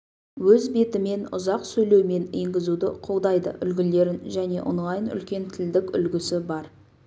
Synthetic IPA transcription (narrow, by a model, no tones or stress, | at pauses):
wɵzbe̞t̪ɪme̞nʊ̰zɑqsɵjle̞wme̞neŋɡʲɪzud̪ɪqʰo̞lˠd̪ɑjd̪ə̰ʔʏ̰lɡʲɪle̞ɾɪnʒæne̞̰ʔʊɴʁɑjənʏ̰lkʲe̞nt̪ʰɪld̪ɪkʲʏ̰lɡʲɪsɪbɑɾ